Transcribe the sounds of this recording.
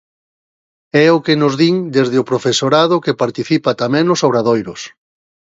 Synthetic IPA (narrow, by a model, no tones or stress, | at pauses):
ɛʊkenʊzðiŋd̪ezðɪʊpɾofesoɾaðʊkepaɾt̪iθipat̪amɛ̃ŋʊsoβɾaðojɾʊs